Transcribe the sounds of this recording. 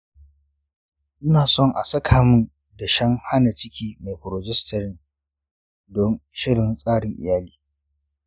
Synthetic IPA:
ʔʊ˦naː˨sɔ˦˨ŋʔa̰˨sɐ˦kʰaː˨mʊ˦n | da˨ʃɐ˦ŋha˦na˨t͡ʃɪ˦kʲʰiː˦ma˨jɸʊ˨ɾo˨d͡ʒɛ˦stɐ˨ɾɪ˦ŋ | dɔ˦nʃɪ˦ɽɪ˨nsʼaː˦ɽɪ˨ŋʔɪ̰˨jaː˦liː˦

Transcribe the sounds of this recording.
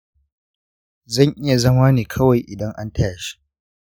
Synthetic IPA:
zɐ˦˨ŋʔɪ˦ja˨zɐ˦maː˦neː˨kʰɐ˦wa˨jʔɪ˨dɐ˦ŋʔa˦ntʰaː˦˨ʃi̥˦

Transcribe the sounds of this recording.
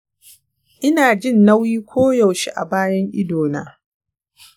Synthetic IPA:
ʔɪ˦naː˨d͡ʒɪ˦nːɐ˦wiː˦kʷʰoː˦jɐ˨wʃi˦ʔa̰˨baː˦jɐ˦ŋʔɪ̰˦doː˨na̰ː˦

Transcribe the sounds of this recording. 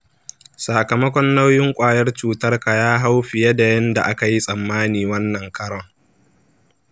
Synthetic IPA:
saː˨kɐ˨mɐ˦kʷɔ˦nːa˦wjɪ˦ŋkʷʼaː˨jɐ˦rt͡ʃuː˨tɐ˦rka˨jaː˦ɦa˦wɸɪ˨jɐ˦da˨jɐ˦nda˨ʔa˦ka˨ji˦sʼɐ˨mːaː˦niː˨wɐ˦nːɐ˨ŋkʰɐ˦ɽɔ˦ŋ

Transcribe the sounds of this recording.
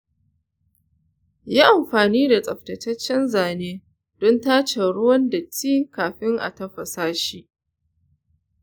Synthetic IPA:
jaː˦ʔa˨mɸaː˨niː˦da˨t͡sʼɐ˨ɸtɐ˨tɐ˦t͡ʃːɛ˦nzaː˨neː˦ | d̥ɔ˦ntaː˦t͡ʃe˨ɽʊ˦wɐ˦ndɐ˨tːiː˦kaː˨ɸɪ˦ŋʔa̰˨tɐ˦ɸɐ˨saː˦ʃiː˦ʔ

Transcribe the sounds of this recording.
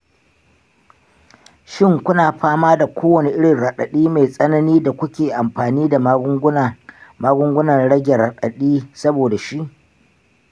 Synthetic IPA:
ʃɪ˦ŋkʷʊ˦naː˨ɸaː˦maː˦da˨kʷʰoː˦wɐ˨ni˦ʔɪ˦ɽɪ˨nɽɐ˨ɗɐ˨ɗiː˦me˨jsʼɐ˦nɐ˦niː˦da˨kʷʊ˦kʲeː˨ʔa˨mɸaː˨niː˦da˨˦˨maː˦ɡʷʊ˦ŋɡʷʊ˦nɐ˨rɽɐ˦ɡʲɛ˨ɾa˨ɗɐ˨ɗiː˦sɐ˦boː˨da˨ʃi˦ʔ

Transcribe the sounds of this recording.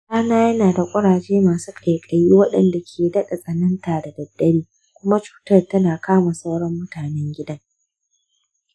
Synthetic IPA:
kaː˦naː˦jɐ˦naː˨da˨kʷʼɐ˦ɽaː˨d͡ʒeː˦maː˨suː˦kʼɐ˨jkʼɐ˨jiː˦wɐ˦ɗɐ˨nda˨kʲʰeː˨dɐ˦ɗa˨sʼɐ˨nɐ˦ntaː˨da˨dɐ˨dːɐ˦ɽiː˦ | kʷʊ˦ma˦t͡ʃu̥ː˨tɐ˦rtɐ˦naː˨kʰaː˦ma˨sʼɐ˦wɽɔ˦mːʊ˦taː˨nɛ˦ŋɡʲɪ˦dɐ˦ŋ

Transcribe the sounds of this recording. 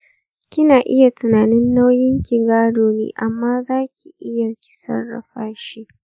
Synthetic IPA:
kʲɪ˦naː˨ʔɪ˦ja˨tʊ˨naː˨nɪ˦nːa˦wjɪ˦ŋkʲɪ˨ɡaː˦ɽoː˨nḛː˦ʔa˨mːaː˦zaː˦kʲʰi˨ʔɪ˦ja˨kʲɪ̥˦sɐ̰˦rːɐ̰˨ɸaː˦ʃiː˦

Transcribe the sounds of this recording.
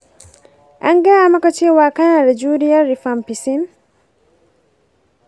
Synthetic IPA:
a̰˦ŋɡa˦a˦ma˦kat͡ʃe˦waː˨ka˦na˨ɾe˨d͡ʒu˦ɾi˦ja˦ɾi˨fa˨mpi˨si˦n

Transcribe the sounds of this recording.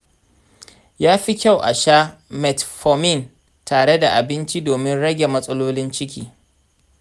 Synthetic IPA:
jaː˦ɸi˦kʲa˦wʔa̰˨ʃaː˦mɛ˨tɸɔ˨mɪ˦˨n | tʰaː˨ɽe˦da˨ʔa˨bɪ˦nt͡ʃi˦doː˨mɪ˦nɽɐ˦ɡʲe˨mɐ˦sʼɐ˦loː˦lɪ˦nt͡ʃɪ˦kʲiː˨

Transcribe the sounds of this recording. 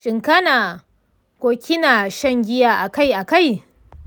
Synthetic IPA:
ʃʼɪ˨ŋkɐ˦naː˨ | kʷoː˦kʲɪ˦na˨ʃɐ˦ŋɡʲɪ˦jaː˦ʔa˨ka˦jʔa˨ka˦˨j

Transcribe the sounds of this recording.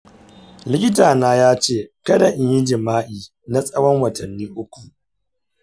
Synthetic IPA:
lɪ˦kʲɪ˦taː˨naː˦jaː˦t͡ʃeː˦˨kɐ˦da˨ʔɪ˦ji˦d͡ʒɪ˨maː˦ʔiː˨ | na˦sʼɐ˦wɔ˦ŋwɐ˨tɐ˨nːiː˦ʔʊ˦kʷu˨ʔ

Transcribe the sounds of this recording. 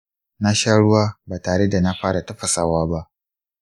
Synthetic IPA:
na˦ʃaː˦ɽʊ˦waː˦baː˨taː˨ɽe˦da˨na˦ɸaː˦ɽa˨tɐ˦ɸɐ˨saː˦waː˦ba˦ʔ

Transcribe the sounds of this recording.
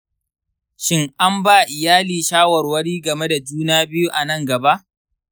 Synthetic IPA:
ʃɪ˦ŋʔa˦mbaː˦˨ʔɪ˨jaː˦liː˨ʃaː˦wɐ˨rwɐ˦ɽiː˦ɡɐ˨me˦da˨d͡ʒuː˦naː˦bɪ˦ju˦ʔa˨nɐ˦˨ŋɡɐ˨ba˦ʔ

